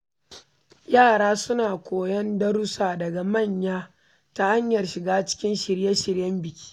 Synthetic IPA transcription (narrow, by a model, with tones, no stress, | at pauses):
jaː˦˨ɽaː˦sʊ˦naː˨kʷoː˨jɐ˦ndɐ˦ɽʊ˦saː˨dɐ˨ɡa˨mɐ˦˨ɲjaː˦ | ta˦ha˦ɲjɐ˨rʃɪ˨ɡaː˦t͡ʃɪ̥˦kʲɪ˦nʃɪ˨ɽjɛ˦ʃɪ˨ɽjɐ˦mbɪ˨kʲʰi̥ː˦